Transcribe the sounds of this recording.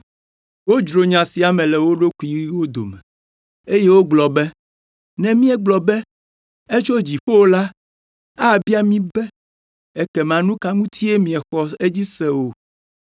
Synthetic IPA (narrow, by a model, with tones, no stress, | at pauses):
wo˦d͡ʒɾo˨ɲã˨si˨a˨mɛ̃˨lɛ˨wo˦ɖo˦ku˨˦i˨˦wo˦d̪o̰˨mɛ̰̃˨ | e˦je˦wo˦ɡ͡blɔ˨bɛ˦ | nɛ̃˨mĩ˦ɛ˦ɡ͡blɔ˨bɛ˦ | e˦t͡ʃo˦d͡ʑi˨ɸo˦wo˦la˦ | a˦˨bi˦a˦mĩ˦bɛ˦ | ɛ˦kɛ˨m˨ã˨nũ˦ka˦ŋũ˦t̪ʰi˦e˦mĩ˨ɛ˨xɔ˦e˦d͡ʑi˦sɛ˦wo˨